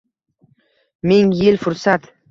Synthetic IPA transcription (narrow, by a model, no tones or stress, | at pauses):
mɪŋjɪlfʊɾsat̪